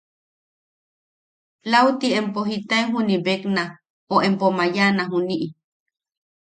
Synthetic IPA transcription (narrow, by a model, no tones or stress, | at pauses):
lawt̪iempoɦit̪aeɦunibekna | oʔempomajanaɦuniʔi